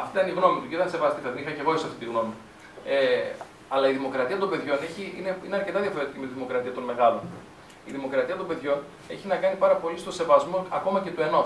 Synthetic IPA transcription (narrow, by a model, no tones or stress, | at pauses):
ɐft̪it̪ɐniɣno̞mit̪uʝit̪ɐnsevɐst̪ifɐðenixɐceɣoesɐft̪it̪iɣno̞mi | e | ɐlɐiðimo̞kɾɐt̪iɐt̪̬o̞mbe̞ðʝo̞neçiineineɐɾcet̪ɐðjɐfo̞ɾet̪icime̞t̪iðimo̞kɾɐt̪iɐt̪o̞nme̞ɣɐlo̞n | iðimo̞kɾɐt̪iɐt̪̬o̞mbe̞ðʝo̞n | e̞̰çinɐkɐnipɐɾɐpo̞list̪o̞se̞vɐzmo̞ɐko̞mɐce̞t̪ue̞no̞